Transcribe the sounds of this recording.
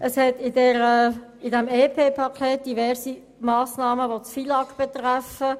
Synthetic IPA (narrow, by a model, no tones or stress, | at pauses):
ʔəshɛtɪdɛːɾə | ɪdɛmeːpʰeːpʰɑkʰeːt̚d̥ivɛʁsi | mɑːsnɑːməʋot͡sfilɑkb̥ɛt̪ʁɛfə